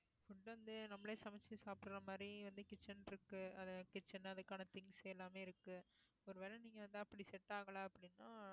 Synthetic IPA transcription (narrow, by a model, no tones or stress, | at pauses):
fʊɳɖʋɐnd̪ɯnɐmːɐɭeːsɐmɛt͡ʃːɯsaːpɽɯɾɐmaːd̪ɾiʋɐnd̪ɯkɪt͡ʃːɐnɪɾɯkːɯɐðɐkɪt͡ʃːɐnɐðɯkːaːnɐt̪ɪŋɡsɛlːaːmeːɪɾɯkːɯ | ɔɾɯʋɛlɐniːŋɡɐʋɐnd̪ɯɐpːɐɽisɛʈːaːɣɐɭaːɐpːɐɽɪnːãː